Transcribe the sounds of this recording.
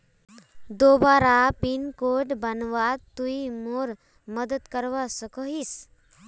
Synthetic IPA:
d̪obaɾapinkoʈbənʋat̪ːuimoɾ | məd̪ət̪kəɾʋasəkəɦis

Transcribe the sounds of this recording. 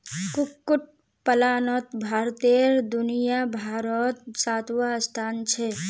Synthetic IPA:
kukːuʈ̚ | pəlaːnɔt̪bʱaːɾt̪eɾd̪unijabʱaːɾɔt̪̚saːt̪wast̪ʰaːnt͡ʃʰɛ

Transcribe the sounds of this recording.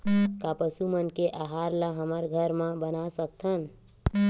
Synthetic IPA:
kapəsumənkeʔaɦaɾləɦəməɾɡʱəɾmãbənasək̚t̪ʰən

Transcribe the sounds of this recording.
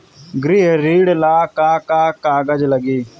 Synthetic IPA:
ɡɾiːɦɾiːɽlaːkaːkaːkaːɡəd͡ʒləɡiː

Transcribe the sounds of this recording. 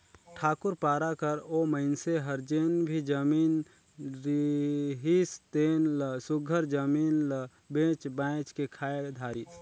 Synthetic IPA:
ʈʰaːkʊɾpaːɾakəɾoməɪnseɦəɾd͡ʒeːnbʱid͡ʒəmiːn | ɾiɦist̪eːnləsʊɡʱəɾd͡ʒəmiːnlə | bẽːt͡ʃbãːɪt͡ʃkekʰaːed̪ʱaːɾiːs

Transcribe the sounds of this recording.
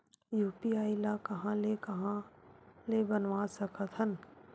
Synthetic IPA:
juːpiaːilakɐɦãlekɐɦãlebənʋasəkət̪ʰɦən

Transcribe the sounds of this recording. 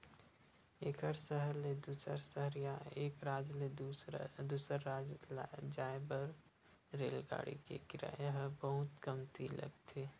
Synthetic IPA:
eːkəɾsəɦəɾled̪usəɾsəɦəɾjaeːkɾaːd͡ʒle | d̪uːsəɾːaːd͡ʒld͡ʒaːebəɾ | ɾeːlɡa̰ːɽḭkḛkɪɾa̰jaɦbəɦʊt̪kəmt̪ʰilɐ̰ɡt̪ʰe

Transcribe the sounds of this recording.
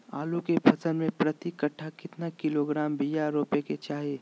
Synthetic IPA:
a̰ːlukebʱɐd͡ʒənmẽpɾɐt̪ikəʈʰːakɪt̪nakɪloɡɾaːmbijaɾoːpeket͡ʃaːɦie

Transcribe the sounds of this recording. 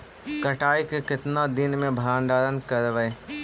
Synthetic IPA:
kɐʈaːikekɪt̪nad̪ɪnmẽbʱaːnɖ̪aːɾənkɐɾʋə

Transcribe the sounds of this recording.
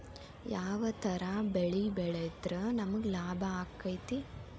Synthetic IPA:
jaːʋɐt̪ʰɐɾabeɭibɛɭejt̪ɾɐnɐmɐɡlaːbʱɐaːkːɐjt̪i

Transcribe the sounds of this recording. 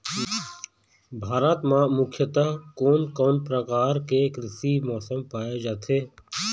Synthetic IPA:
bʱaːɾat̪mãːmʊkʰjət̪əɦkoːnkoːnpɾəkaːɾkekɾɪsimɔːsəmpaːjed͡ʒaːt̪ʰeː

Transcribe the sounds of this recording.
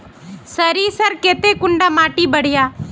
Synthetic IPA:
səɾiːsəɾkeːt̪eːkʊɳɖaːmaːʈiːbəɽ̤ɪjaː

